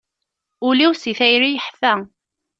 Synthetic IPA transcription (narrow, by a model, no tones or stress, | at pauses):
ʊliwsiθæjɾijəħfæ